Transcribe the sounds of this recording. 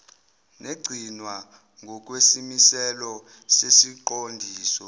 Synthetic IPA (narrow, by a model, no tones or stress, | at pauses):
neɡ͡ǀʱinwa | ŋʱɔk̬ʼwesimisɛlɔ | sesiǃondʱiːsɔ